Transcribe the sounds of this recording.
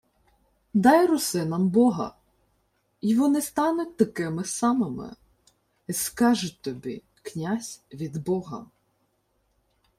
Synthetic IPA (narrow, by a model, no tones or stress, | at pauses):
d̪ɑjrʊsɪnɐmbɔɦɐ̰ | iʋɔnɪst̪ɑnʊt̚ʲt̪ɐkɪmɪsɑmɪmɪ̰ | iskɑʒʊt̪ɔbʲḭ | knʲasʲʋʲid̪bɔɦɐ̰